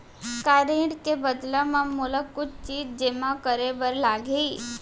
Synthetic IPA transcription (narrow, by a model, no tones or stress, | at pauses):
kaɾeɽkebəd̪lamãmʊləkːʊt͡ʃʰt͡ʃiːd͡ʒd͡ʒemãkəɾebəɾlaɡʱeː